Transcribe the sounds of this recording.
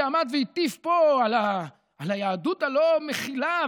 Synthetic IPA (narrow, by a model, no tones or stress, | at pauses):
amad̪veit̪ifpo̞alaː | lajaːd̪ut̪alomeχila